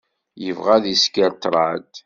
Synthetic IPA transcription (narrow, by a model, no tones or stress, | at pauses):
jəvʁæðiskːəɾt̪ɾˤad̪